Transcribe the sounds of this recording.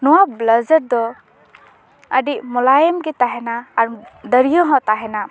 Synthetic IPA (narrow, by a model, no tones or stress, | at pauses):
nuwabləzəɾd̪ɔ | əɖimɔlajəmɡɛt̪aɦɛnaːɾd̪əɾijɔɦɔ̃t̪aɦɛna